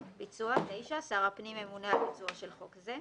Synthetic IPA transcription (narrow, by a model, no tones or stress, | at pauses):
bit͡suat̪ejʃasaʁapnimemunalbit͡suaʃelχo̞kze